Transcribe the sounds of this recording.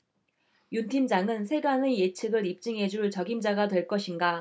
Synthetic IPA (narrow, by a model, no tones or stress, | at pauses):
juntʰimd͡ʑaŋɯnsʰe̞ɡaneje̞t͡ɕʰɯɡɯɾip̚t͡ɕ͈ɯŋɦe̞d͡ʑuɭt͡ɕʌɡimd͡ʑaɡadwe̞ɭk͈ʌɕʰinɡa